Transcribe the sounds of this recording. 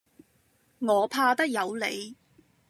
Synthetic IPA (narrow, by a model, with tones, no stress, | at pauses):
ŋɔː˨˧pʰaː˧t̪ɐ˥k̚jɐ˨˧wle˨˧j